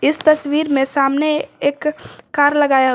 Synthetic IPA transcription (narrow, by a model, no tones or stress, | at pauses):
ɪst̪ɐswiːɾmẽsaːmneeːkːaːɾləɡaːja